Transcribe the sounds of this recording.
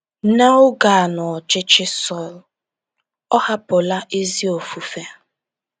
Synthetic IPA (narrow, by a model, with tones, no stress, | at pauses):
na˦ʊ˦ɡa˨a˨nɔ˨t͡ʃɪ˦t͡ʃɪ˦sɔ˦˨l | ɔ˦ha˦pʊ˨la˦ʔe˦zi˦o˨fu˨fe˦